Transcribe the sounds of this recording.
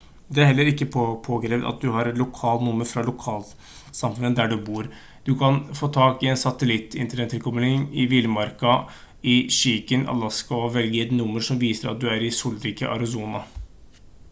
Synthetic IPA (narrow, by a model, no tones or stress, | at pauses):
d̪ɛæɾhɛlːəɾɪkːəppʰoːɡɾeːʋd̪ɑ̰t̪̚d̪ʉhɑɾɛt̪lʊkʰɑːlnʊmːəɾfɾɑlʊkʰɑːl | sɑmfʉnəd̪æɖʉbuːɾ | d̪̥ʉkʰɑnfoːt̪ʰɑːkɪɛnsɑt̪əlɪt̪ːɪ̰nt̪ənɛt̪ʰːɪlkʰɔmlɪŋɪʋɪlmɑɾkɑ | ɪʃiːkənɑ̰lɑskɑɔʋɛlɡəɛt̪nʊmːəɾʂɔmʋiːsəɾɑ̰t̪̚d̪ʉæɾɪsuːlɾiːkə̰ʔɑ̰ɾɪsuːnɑ